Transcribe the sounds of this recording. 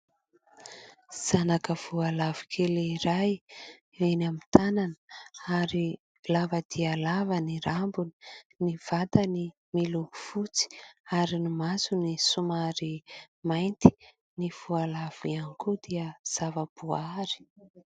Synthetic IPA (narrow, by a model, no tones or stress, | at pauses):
z̥anakəv̥ualavi̥kʰeleiɾaj | enamit̪ananəaɾi | lavəd̪ialavəniɾambuni̥niv̥at̪əni | miluufut͡si̥aɾinimazunisumaɾi | majnt̪i̥ | niv̥ualav̥ianikud̪iəz̥avəb̥uaɾi̥